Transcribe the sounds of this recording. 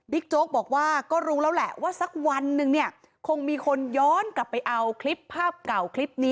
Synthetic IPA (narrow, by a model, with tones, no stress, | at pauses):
bi˦˥k̚t͡ɕoː˦˥k̚bɔː˨˩k̚waː˥˩kɔː˥˩ɾuː˦˥lɛː˦˥wlɛ˨˩ʔwaː˥˩sa˧˦˩k̚wa˧nːɯ˧ŋni˥˩ɐ | kʰo˧ŋmiː˧kʰo˧njɔː˦˥nkla˨˩pːa˧jʔa˧wkʰli˦˥pʰːaː˥˩p̚ka˨˩wkʰli˦˥p̚niː˦˥